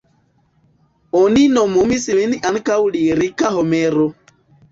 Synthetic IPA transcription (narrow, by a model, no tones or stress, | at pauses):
oninomomisiliniʔaŋkawliɾikaɦomeɾo